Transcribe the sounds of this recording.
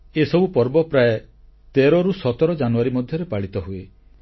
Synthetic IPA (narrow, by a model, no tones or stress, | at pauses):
esɔbupɔɾbɔpɾae | t̪eɾɔɾusɔt̪ɔɾɔd͡ʒanuaɾimɔd̪ʱjɔɾepaɭit̪ɔɦue